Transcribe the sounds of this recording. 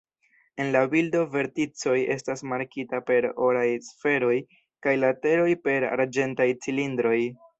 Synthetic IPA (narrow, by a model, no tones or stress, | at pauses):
e̞nlabildo̞ve̞ɾtit͡so̞je̞̰stasmaɾkitape̞ɾoɾajsfe̞ɾo̞j | kajlate̞ɾo̞jpe̞ɾa̰ɾd͡ʒe̞ntajt͡silindɾo̞j